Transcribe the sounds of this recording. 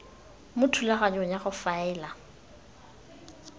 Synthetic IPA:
mʊtʰulaɣaɲɔɲaɣʊfaɛːla

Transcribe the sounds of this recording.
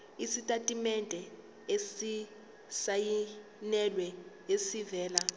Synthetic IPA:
isitʼatʼimɛndʼʱɛ | esi | saji | nɛlwɛ | esivɛːla

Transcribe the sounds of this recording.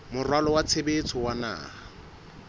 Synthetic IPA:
mʊrwalɔwat͡sʰebet͡sʰɔwana̰ːa

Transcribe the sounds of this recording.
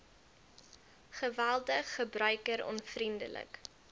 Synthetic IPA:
χəvælˠdəχːəbrœɥkəɾɔ̰nfrində̰lə̰k

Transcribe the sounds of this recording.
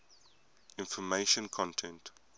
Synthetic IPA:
ɪ̃nfɔmeɪʃə̃nkʰɔ̃ntʰɛ̃nt

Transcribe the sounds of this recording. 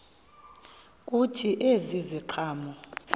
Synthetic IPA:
k̬ʼutʰiʔeziziǃʰaːmɔ

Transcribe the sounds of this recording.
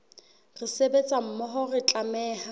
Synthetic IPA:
rɪsebet͡sʼam̩mɔɦɔrɪt͡ɬʼamɛːha

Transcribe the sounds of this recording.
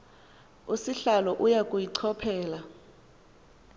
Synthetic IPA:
usiɬalɔʔujakʼujiǀʰɔpʰɛːla

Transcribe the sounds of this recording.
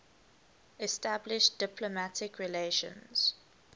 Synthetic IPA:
ɛstablɪʃd̥ɪpʰlomatʰɪkʰɹileʃə̰̃nz̥

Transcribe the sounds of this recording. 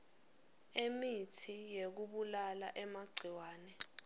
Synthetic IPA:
emitʰijek̬uɓulalaʔɛmaɡ͡ǀʱiwaːnɛ

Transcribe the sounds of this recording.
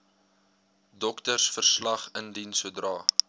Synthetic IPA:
dɔktərsfərslɐχəndinsuədrɑː

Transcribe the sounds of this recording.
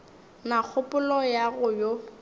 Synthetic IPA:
nak͡xʰʊpʼʊlɔjaɣʊjo

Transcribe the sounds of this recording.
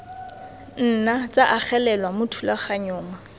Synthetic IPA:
n̩nat͡sʼaʔak͡xɛlɛlwamʊtʰulaχaɲʊːma

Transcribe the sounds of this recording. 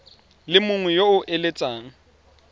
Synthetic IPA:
lɪmʊŋwɛjoʊʔelet͡sʼaːŋ̩

